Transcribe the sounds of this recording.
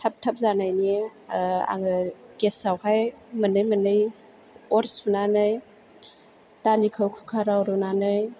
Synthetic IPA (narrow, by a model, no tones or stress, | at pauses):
tʰap̚tʰap̚zanajni | a̰ŋɯkesawhajmənɯjmənɯj | ɔɾsunanɯj | tanikʰawkʰukʰaɾawɾɔnanɯj